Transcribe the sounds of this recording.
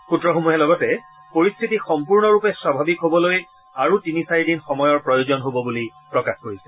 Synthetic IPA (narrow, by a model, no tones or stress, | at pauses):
xutɹɔxomuɦɛlɔɡɔtɛ | poɹistʰitixɔmpuɹnɔɹupɛswabʱabikɦobɔloj | aɹutinisaɹidinxɔmɔjɔɹpɹɔjozɔnɦobɔbulipɹɔkaxkoɹisɛ̥